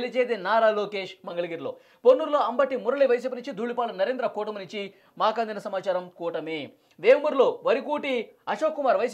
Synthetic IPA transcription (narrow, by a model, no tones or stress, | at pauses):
lit͡ʃeːt̪enaːɾaːloːke̞ːʂmɐŋɡɐɭɐɡiːɾlo̞̰ː | ponːuɾlo̞ːɐmbɐʈimuɾɐɭiʋɐjs̬iːp̬inuɲt͡ʃid̪ʱuːɭipaːɭunɐɾeːnd̪ɾɐkuːʈɐmnuɲt͡ʃi | maːkaːnd̪inɐsɐmaːt͡ʃaːɾɐmkuːʈɐmeː | ʋeːmuɾlo̞ːʋɐɾikuːʈiɐʃoːkːumaːɾʋɐjs